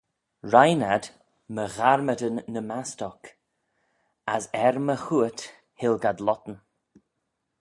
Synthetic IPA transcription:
ɹajnad | məɣaɾmədənːəmastɔk | asɛɾməxuət | hɪlˠɡadlɔt̪ən̩

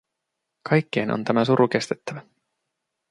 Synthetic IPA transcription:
kʰɑjkːe̞jnʔo̰nt̪æmæsuɾuk̟e̞st̪e̞t̪ːæʋæ

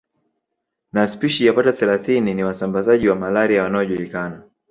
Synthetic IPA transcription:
naspiʃijapataθɛlaθininiwasambazaʄiwamalaɾijawanaɔʄulikana

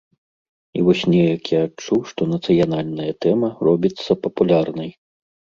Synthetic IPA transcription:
ḭvɔsʲnʲɛjɐkʲjaat͡ʂuʂt̪ɔnɐt̪sɨjanalʲnɐjɐt̪ɛmɐrɔbʲit̪sːɐpɐpulʲarnɐj

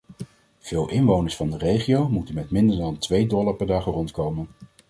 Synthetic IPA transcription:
v̥ɪːlˠʔɪnʋownəɹsfɑndərejχiowmutənmɛtmɪndəɹdɑntʋejdɔlaɹpɛɹdaːχərɔntkowmən

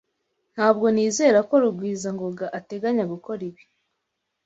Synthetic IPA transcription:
n̥haːbɡo̞niːze̞ːɾako̞ɾuɡwiːzaŋɡoɡaʔate̞ɡaɲaɡuko̞ɾiβi̥

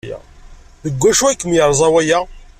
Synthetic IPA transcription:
jæ̰ | ðəɡʷːæʃuækːəmjəɾˤzˤɑwæjæ

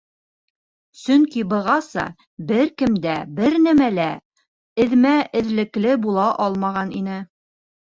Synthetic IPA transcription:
sɵŋkibɤ̆ʁɑsɑ̰ | bɘɾkɘ̆md̪æbɘɾnæmælæ | ɘ̆ðmæɘ̆ðlɘ̆klɘbulˠɑʔɑlˠmɑʁɑninɘ

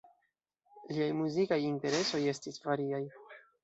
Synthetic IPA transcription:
liajmuzikajinte̞ɾe̞so̞je̞stisvaɾiaj

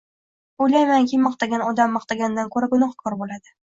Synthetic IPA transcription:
ojlajmaŋkʲʰimɒqt̪aɡʲanɒd̪amːɒqt̪aɡʲand̪ankʰɵɾaɡʊnɒqkʰɒɾbolad̪ɪ

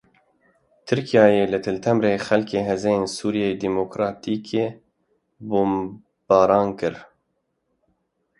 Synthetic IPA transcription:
t̪ʰɨɾkijɑːjeːlɨt̪ʰɨlt̪ʰɛmɾeːxɛlkeːɦɛzɛjeːnsuːɾijeːjd̪iːmoːkɾɑːt̪iːkʰeː | boːm | b̥ɑːɾɑːnkɨɾ

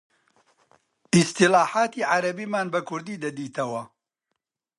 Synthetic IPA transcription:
ist̪ilaːħaːt̪iːʕaɾɐbiːmaːnbɐkʰʊɾd̪iːd̪ɐd̪iːt̪ɐwɐ

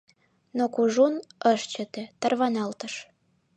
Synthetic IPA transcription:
nokuʒunəʃt͡ɕə̆t̪ĕt̪ərβɑnɑlt̪ə̆ʃ

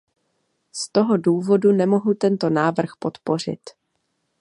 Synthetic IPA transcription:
st̪o̞ɦo̞duːvo̞dunɛmo̞ɦut̪ɛnt̪o̞naːvr̩xpo̞t̪po̞r̝ɪ̰t̪

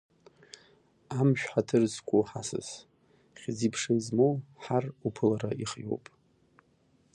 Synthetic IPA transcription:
amʃᶣħatʰɨrzkʷʼuħasɨ̰z | χʲd͡zipʰʂɨnzmowħarupʰɨlaɾaiχjo̞̰wpʼ

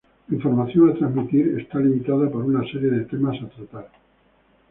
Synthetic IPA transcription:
iɱfo̞ɾmaθjoŋat̪ɾazmit̪iɾest̪alimit̪aðapoɾunaseɾje̞ðet̪emasat̪ɾat̪aɾ

